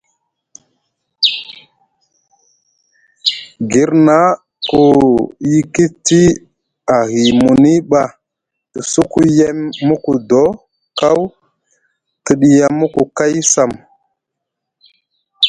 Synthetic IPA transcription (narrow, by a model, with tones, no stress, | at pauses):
ɡi˨ɾna˦ | ku˨ji˦ki˦ti˦ | a˨ɦi˨mu˨ni˦ɓa˨ | tə˨su˦ku˦je˦mːu˦ku˨do˦ | ka˦w | ti˨ɗi˨ja˨mːu˦ku˨ka˦jsa˨m